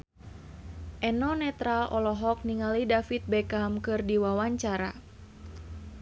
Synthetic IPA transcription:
ʔɛnɔnɛt̪ɾalʔɔlɔɦɔk̚niŋalidafit̪̚bɛkamkɨrdiwawaɲt͡ʃaɾa̰

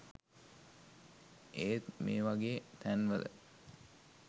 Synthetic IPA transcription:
ʔeːt̪mḛːʋaɡeːt̪ʰænʋələ̰

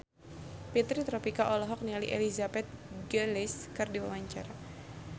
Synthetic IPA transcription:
pit̪ɾit̪ɾɔpikaʔɔlɔɦɔk̚nialḭʔelizabɛt̪̚ɡəlɪskɨrdiwawaɲt͡ʃaɾa

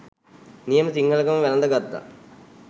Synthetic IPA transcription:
nijɐmɐsiŋɡʱɐlɐkɐmɐʋɛlɐnd̪ɐɡɐd̪ːa̰

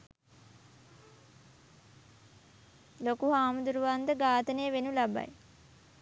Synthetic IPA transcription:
lokuɦaːmud̪uɾuʋand̪əɡaːt̪ənejəʋenulaba̰j

